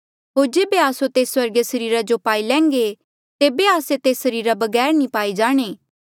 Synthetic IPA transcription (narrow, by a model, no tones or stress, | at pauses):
ɦoːɾd͡ʒeːbeaːsot̪eːswɐɾɡesɐɾiːɾad͡ʒopaːilɛ̃ːŋɡe | t̪eːbeaːset̪eːsɐɾiːɾabɐɡɛːɾnĩpaːid͡ʒaːɽ̃eː